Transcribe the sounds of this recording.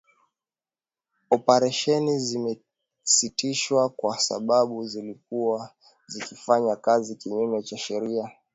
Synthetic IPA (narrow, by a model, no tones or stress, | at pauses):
ɔpaɾɛʃɛnizimɛ | sitiʃwakwasa̰ɓaɓuzilikua | zikifaɲakazikiɲumɛt͡ʃaʃɛɾia